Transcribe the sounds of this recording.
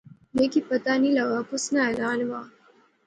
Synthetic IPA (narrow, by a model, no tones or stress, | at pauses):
lekipət̪aniləɡakusnaɛlaːnʋa